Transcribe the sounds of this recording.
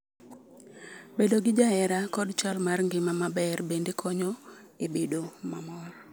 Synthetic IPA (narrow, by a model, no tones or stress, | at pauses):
bedoɡɪd͡ʒaɛɾakɔdt͡ʃalmarŋɡɪmamabɛrbendekʰɔɲɔebedomamɔr